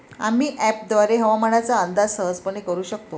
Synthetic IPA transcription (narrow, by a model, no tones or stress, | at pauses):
a̰miːʔæp̚d̪ʋaɾeɦəʋaməɽat͡saənd̪ad͡zsəɦəd͡zpəɳ̃ikəɾuːɕək̚t̪o